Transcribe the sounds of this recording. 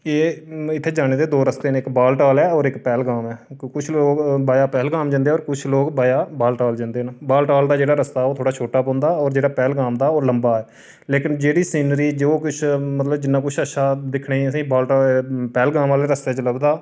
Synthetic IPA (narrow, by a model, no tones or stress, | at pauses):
eːɪt̪ʰːeːd͡ʒaːɽ̃eːd̪eːd̪oːɾəst̪eːnẽːɪkbaːlʈaːlɛːɔːɾɪkpɛːlɡaːmɛːkʊt͡ʃʰloːɡbaːjaːpɛːlɡaːmd͡ʒãnd̪eːɔːɾkʊt͡ʃʰloːɡbaːjaːbaːlʈaːld͡ʒãːnd̪eːnbaːlʈaːld̪aːd͡ʒeːɽaːɾəst̪aːɛoːt̪ʰoːɽaːt͡ʃʰoːʈaːpɔ̃ːnd̪aːɔːɾd͡ʒeːɽaːpɛːlɡaːmd̪aːoːləmbaːɛː | leːkɪnd͡ʒeːɽiːsiːnɾiːd͡ʒoːkʊt͡ʃʰmət̪ləbd͡ʒɪnːaːkʊt͡ʃʰəʃaːd̪ɪkʰɳeːiəsĩːbaːlʈaːpɛːlɡaːmaːleːɾəst̪eːt͡ʃələɡd̪aː